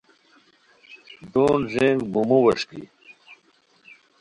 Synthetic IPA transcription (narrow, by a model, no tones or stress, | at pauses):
d̪oːnʑeŋɡbumuwɐʂkḭ